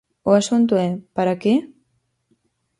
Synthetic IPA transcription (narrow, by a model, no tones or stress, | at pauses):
oasunt̪̬uepaɾaki